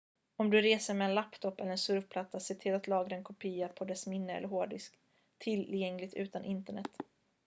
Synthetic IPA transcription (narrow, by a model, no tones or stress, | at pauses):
ɔmd̪ɵɾeːsəɾmɛɛːnlapt̪ʰɔpːɛ̰lːəɾɛnsɵɾvpʰlat̪ːasɪːʈʰɪlːat̪lɑːɡɾaɛnkʰʊpʰiːapʰɔd̪ɛsmɪnːəɛ̰əɾɦoːɖɪsk | t̪ʰːɪljɛŋlɪt̪ʉ̟ːt̪anʔɪnt̪əɳɛ̰t̪ː